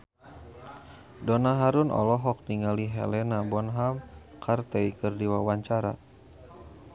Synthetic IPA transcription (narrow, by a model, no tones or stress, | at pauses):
dɔnaɦaɾunɔ̰lɔɦɔk̚niŋaliɦɛ̰lɛnabɔnɦam | kʰart̪ɛikɨrdiwawaɲt͡ʃaɾa̰